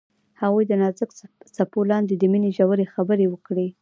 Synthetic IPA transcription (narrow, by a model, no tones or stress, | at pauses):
haɣujd̪ənɑzəksapolɑnd̪ed̪əmineʒawəɾexabəɾewəkɽe